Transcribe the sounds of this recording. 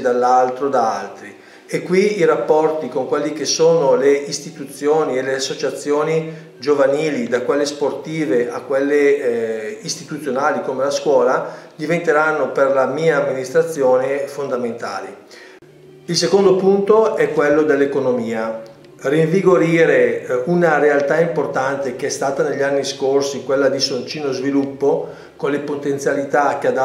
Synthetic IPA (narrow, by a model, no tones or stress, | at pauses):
d̪alːalt̪ɾod̪aalt̪ɾi | ekːwiiɾapːɔrt̪ikoŋkwelːikesoːnoleist̪it̪ut̪sːjoːnieleasːot͡ʃat̪sːjoːni | d͡ʒovaniːlid̪akwelːesport̪iːveʔakːwelːe | ist̪it̪ut̪sːjonaːlikomelaskwɔːlad̪ivent̪eɾanːoperlamiːaːmːinist̪ɾat̪sːjoːnefond̪ament̪a̰ːli | ilsekond̪opunt̪oɛkːwelːod̪elːekonomiːa | riɱviɡoɾiːɾeunaɾealt̪aimport̪ant̪ek̟eɛst̪aːt̪aneʎːanːiskorsikwelːad̪isont͡ʃiːnozvilupːo | konlepot̪ent̪sjalit̪ak̟ead̪a